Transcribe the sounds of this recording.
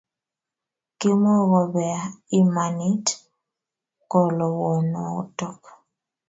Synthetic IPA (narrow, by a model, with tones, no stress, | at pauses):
ki˦mɔ˦ɣɔ˨bɛ˨a˨i˦ma˨ni˦t | kɔ˨lɔ˨wɔ˨nɔ˨o̰˦tɔ˦k